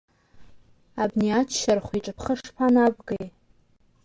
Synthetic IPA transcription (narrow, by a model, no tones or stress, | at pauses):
abniat͡ʃʰʃarχʷiʈ͡ʂʼɨpʰχəʂpʰanabɡej